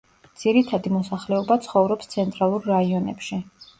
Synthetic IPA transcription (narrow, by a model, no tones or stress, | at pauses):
d̪z̥iɾit̪ʰad̪imɔsaχlɛɔbat̪sʰχɔvɾɔpst̪sʰɛnt̪ʼɾalˠuɾːaiɔnɛ̰pʃi